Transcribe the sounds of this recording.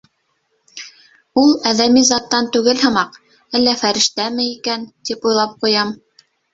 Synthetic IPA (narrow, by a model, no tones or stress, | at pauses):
ulˠæðæmizɑt̪ːɑnt̪ʉɡɘlhɤ̆mɑq | ælːæfæɾɘ̆ʃt̪æmɘikænt̪ipujlˠɑp̚qujɑm